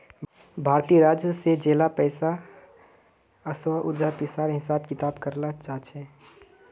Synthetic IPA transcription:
bʱaːɾt̪iːəɾaːd͡ʒjəsed͡ʒeːlapɛːsa | əswaʔʊd͡ʒapɪsaːɾɦɪsaːbkɪt̪aːbkəɾnat͡ʃaːt͡ʃʰɛ

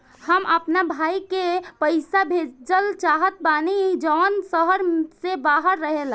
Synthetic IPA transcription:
həmʔəpnabʱaikepəjsabʱed͡ʒəlt͡ʃaɦət̪̚banid͡ʒɔnsəɦəɾsebaɦəɾːəɦel

